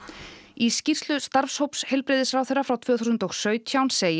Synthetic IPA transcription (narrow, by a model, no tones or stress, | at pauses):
iscir̥slʏst̪aɾfshowpshelpɾɪːðɪsfɾawθejrːafɾawt̪ʰv̥œːθusʏnt̪ɔɣsœːɥt̪ʰjawnseːj